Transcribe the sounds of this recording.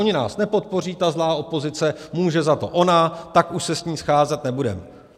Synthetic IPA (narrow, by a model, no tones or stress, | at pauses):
oɲɪna̰ːsnɛpo̞t̪̚po̞riːt̪azlaːʔo̞po̞zɪt͡sɛmuːʒɛzat̪o̞̰ʔo̞nat̪akʔuʃsɛsɲiːsxaːzɛt̪nɛbudɛ̰mɛ